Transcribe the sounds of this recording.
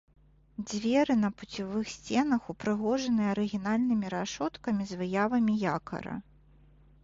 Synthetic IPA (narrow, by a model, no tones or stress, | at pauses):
d͡zʲvʲɛɾɨnɐput͡sʲivɨxsʲt͡sʲɛnɐxupɾɨɣɔʐɐnɨjɐɐɾɨɣʲinalʲnɨmʲiɾaʂɔt̪kɐmʲizvɨjavɐmʲijakɐ̰ɾɐ̰